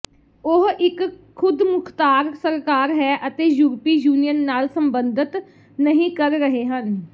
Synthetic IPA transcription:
ʊɦɪkʰːʊd̪mʊkʰt̪aːɾsəɾkaːɾɦɛːʔət̪eːjuːɾpiːjuːnijənːaːlsəmbənd̪ɪt̪ | nəɦĩːkəɾɾəɦeːɦən

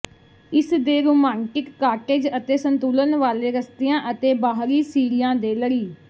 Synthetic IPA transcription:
ɪsd̪eːɾuːmaːŋkɪkːaːkʈeːd͡ʒət̪eːsənt̪uːlənʋaːleːɾəst̪ɪjãːʔət̪eːbaːɦɾiːsiːɾɪjãːd̪eːləɾiː

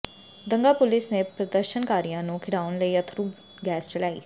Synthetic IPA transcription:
d̪əŋɡaːpʊlɪsneːpɾəd̪əɾʃənkaːɾijãːnũːkʰɪɽaːʊnləiːət̪ʰɾuː | ɡɛːst͡ʃəlaːḭː

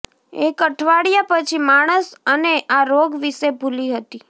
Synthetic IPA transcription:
ekəʈʰʋaɽijapət͡ʃʰimaɽ̃əsəneʔaɾoɡʋiʃebʱuliɦət̪i

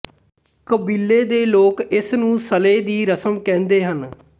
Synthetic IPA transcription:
kəbiːlːeːd̪eːloːkɪsnũːsəleːd̪iːɾəsəmkɛ̃ːnd̪eːɦən

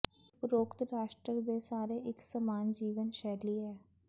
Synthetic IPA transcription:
pɾoːkt̪ɾaːʃʈɾəɾd̪eːsaːɾeːʔɪksəmaːnd͡ʒiːʋənʃɛːliːɛː

